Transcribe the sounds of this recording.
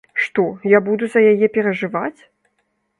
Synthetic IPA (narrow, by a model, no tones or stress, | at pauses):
ʂt̪ɔjabud̪uzɐjajɛpʲɛɾɐʐɨvat͡sʲ